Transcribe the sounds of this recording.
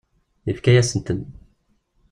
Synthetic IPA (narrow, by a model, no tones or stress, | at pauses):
ifkæjæsənt̪ən